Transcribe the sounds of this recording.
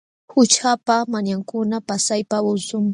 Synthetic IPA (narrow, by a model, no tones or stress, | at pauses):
hʊt͡ʃapamaɲaŋkʊnapasajpaʊsʊm